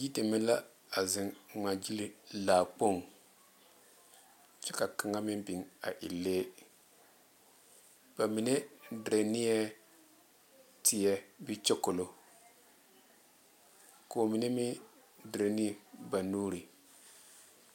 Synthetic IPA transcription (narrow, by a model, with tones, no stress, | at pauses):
ji˦ti˨mɪ˦la˦ | a˨zɪ˨nŋa˨d͡ʒi˦li˦laː˨k͡po˦˨ŋ | t͡ʃɛ˦ka˨ka˨ŋa˦mɪ˦nbi˨ŋa̰˨ʔɪ̰˨lːeː˦ | b̥a˨mi˨ne˦dɾe˨ni˦ɛ˦ | tʰɪ˨jɛ˦bɪ˦t͡ʃɪ˦kʊ˨lo˨ | ko˨mi˨ne˦mɪ˦ | dɾe˨ni˦˨ba˨nuː˦ɾi˨